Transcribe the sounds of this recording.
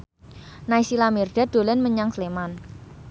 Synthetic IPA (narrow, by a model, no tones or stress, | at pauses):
naisilamirɖ̥̪ad̪̥o̤lɛnməɲaŋsleman